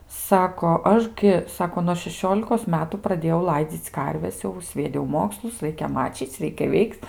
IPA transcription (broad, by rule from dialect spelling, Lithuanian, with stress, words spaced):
ˈsɑːkoː ˈɐʃ ɡʲɪ ˈsɑːkoː nuɔ ʃʲɛˈʃʲoːlʲɪkoːs ˈmʲæːtʊ prɐˈdʲeːjɛʊ ˈlˠɐɪd͡zʲiːt͡s ˈkɐrʲʋʲɛs ˈjɛʊ sʲʋʲiɛˈdʲɛʊ ˈmoːkslˠʊs ˈrɐɪkʲɛ mɐt͡ʃʲiːt͡s ˈrʲɛɪkʲɛ ˈʋʲɛɪkt